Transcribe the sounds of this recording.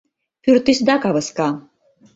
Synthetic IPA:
pʰyrt̪isd̪akavəska

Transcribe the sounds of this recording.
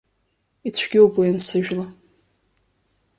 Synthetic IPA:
it͡ɕʷʰɡʲɪwɡajansɨʒᶣla

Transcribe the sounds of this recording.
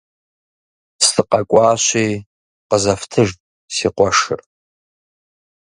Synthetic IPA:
stʰɨqʼakʷʼaːʃʷej | qəzaftʰɨʐtʼ | siqʷaʂɨ̰r

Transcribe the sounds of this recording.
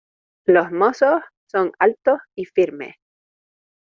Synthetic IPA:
losmososːoŋalt̪osifiɾmḛs

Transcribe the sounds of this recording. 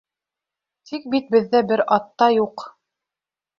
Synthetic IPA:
t̪ʰik̚bit̪̚bɘ̆ðːæbɘɾɑt̪ːɑjuq

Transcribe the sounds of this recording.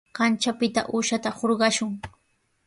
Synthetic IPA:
ɢɑnt͡ʃapɪt̪a̰ʔuːʃat̪ahoɾɢɑʃʊŋ

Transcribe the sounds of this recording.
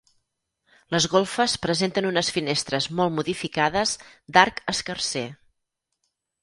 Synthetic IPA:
ləzɣolˠfəspɾəzent̪ənunəsfinest̪ɾəzmɔlˠmuðifikaðəzd̪aɾkəskərse

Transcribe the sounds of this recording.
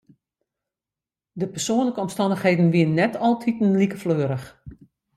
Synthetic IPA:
dəpərsoənləkəɔmstɑndəxheːdən̩ʋiənːɛtʰɔlˠtʰitənlikəfløːəɾəx

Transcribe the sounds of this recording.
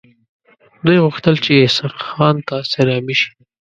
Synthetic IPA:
d̪ujɣʊxt̪əlt͡ʃejesaqxɑnt̪aseɾɑmiʃi̥

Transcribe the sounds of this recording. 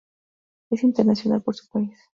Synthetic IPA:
e̞sint̪eɾnasjo̞na̰lpo̞ɾsu̥pais

